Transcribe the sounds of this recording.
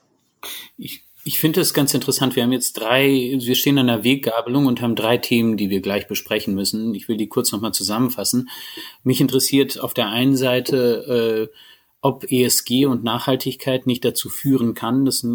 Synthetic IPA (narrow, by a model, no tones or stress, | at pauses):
ʔɪ | ɪçfɪndəɛsɡ̥ant͡sɪntəʁəsantv̥iɐhaːmjɛt͡std̥ʁaɪviːɐʃteːənaɪnɐveːk̚ɡ̥aːbəlʊŋʊnthaːbm̩dʁaɪtʰeːməndiːviːɐɡlaɪçb̥əʃpʁ̥ɛçn̩mʏsn̩ɪçv̥ɪldiːkʰʊɐt͡snɔχmaːlt͡suzamənfasn̩mɪçɪntəʁəsiːɐtʰa̰ʊfd̥eːɐʔaɪnənzaɪtʰəʔɛː | ʔɔpʔeːɛsɡ̥eːʊntnaːχhaltʰɪçkʰaɪtnɪçt̚d̥at͡suːfyːʁənkʰand̥as